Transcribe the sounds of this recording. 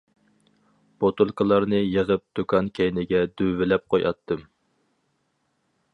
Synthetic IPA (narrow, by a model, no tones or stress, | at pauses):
b̥ot̪ulˠkɨlˠɑɾnɨjəʁəp̚d̪̥ukʰɑnkʲʰɛjnɪɡʲɛd̪øːɪlɛp̚qʰojɑ̰t̪ʰːɨm